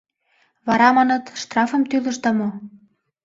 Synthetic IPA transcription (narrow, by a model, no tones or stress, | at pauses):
βɑɾɑmɑnɤ̆t̪ʃt̪rɑfɤ̆mt̪ylə̆ʃd̪ɑmo